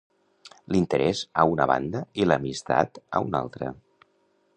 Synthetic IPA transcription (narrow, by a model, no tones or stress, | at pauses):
lint̪əɾʔɛzəunəβa̰nd̪əiləmist̪a̰t̪əuna̰lˠt̪ɾə